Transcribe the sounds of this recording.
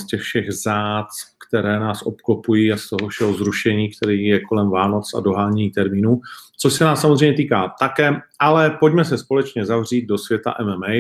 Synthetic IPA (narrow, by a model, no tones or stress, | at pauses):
scɛxfʃɛɣzaːt͡skt̪ɛɾɛːnaːsʔo̞̰pkopujiːast̪oɦofʃɛɦozɾuʃɛɲiːkt̪ɛɾiːjɛko̞lɛmvaːno̞t͡sa̰do̞ɦaːɲɛɲiːt̪ɛɾmiːnuːt͡soʃsɛnaːsːamozɾrejɲɛt̪iːkaːt̪akɛːʔalɛpo̞ɟmɛsɛspo̞lɛt͡ʃɲɛzavr̝iːd̪̚do̞svjɛt̪a̰ʔɛmɛmɛj